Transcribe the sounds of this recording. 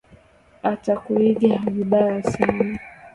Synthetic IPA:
atakuiɡiaviɓajasana

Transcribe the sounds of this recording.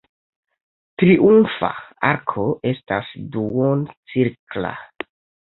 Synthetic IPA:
tɾiʔumfa̰aɾkʰo̞ʔe̞stasduont͡siɾkla̰

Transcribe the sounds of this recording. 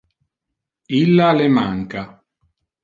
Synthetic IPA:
ilːalemaŋka

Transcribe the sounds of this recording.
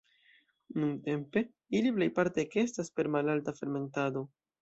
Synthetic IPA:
nunte̞mpe̞ | iliple̞jpaɾte̞ke̞staspe̞ɾmalaltafe̞ɾme̞ntado̞

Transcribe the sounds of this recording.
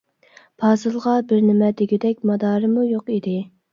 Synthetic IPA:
b̥ʰɑːzɨlˠʁɑbɪɾnɪmɛd̪ɪɡʲid̪ɛkʲmɑd̪ɑːɾɨmujoqid̪ɪ

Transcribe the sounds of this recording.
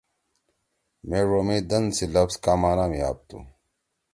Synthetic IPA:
meːɻoːmẽːd̪ɐnd̪silɐfzkaːmaːnaːmiaːb̚t̪ṵː

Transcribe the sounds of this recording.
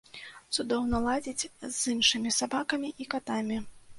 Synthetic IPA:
t̪sud̪ɔwnɐlˠad͡zʲit͡sʲzinʂɨmʲisabakɐmʲiʔikat̪amʲi

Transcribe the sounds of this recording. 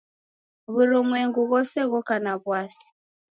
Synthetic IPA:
βuɾumwɛŋɡuɣɔsɛɣɔkanaβwasi̥

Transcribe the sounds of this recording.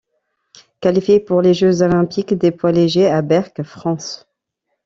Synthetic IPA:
kalifjepuʁleʒøzolɛ̃pikd̪epwaleʒeabɛʁkfχɑ̃s

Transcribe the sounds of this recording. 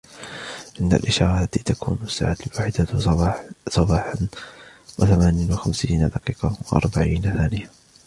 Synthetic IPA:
ʔɪnd̪a̰lʔɪʃɑ̰ːɾˤɑlːat̪iːt̪akṵːnasːa̰ːʕaːlwaːħɪd̪a | sˤɑbɑːħanwʔaθamaːnɪjanwaxamsiːnad̪ɑqiːqɑwaʔɑ̰ɾˤbaʕiːnaθaːnɪja

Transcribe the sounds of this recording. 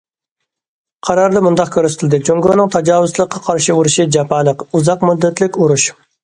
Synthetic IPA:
qʰɑɾɑɾd̪ɑmund̪ɑq̚kʲʰøɾst̪ʰɪlɪd̪ɨt͡ʃʰoŋɡonɨŋt̪ʰɑd͡ʒɑːwʊslˠəqʰːɑqʰɑɾʃiuɾuʃid͡ʒɑpʰɑːlˠəquzɑqmud̪ːɛt̪lɪkʲuɾuʃ

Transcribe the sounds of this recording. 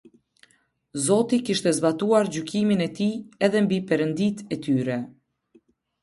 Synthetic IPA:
zɔt̪ikiʃt̪ɛzbat̪uaɾd͡ʑykiminɛt̪iɛðɛmbipɛɾənd̪it̪ɛt̪yɾɛ

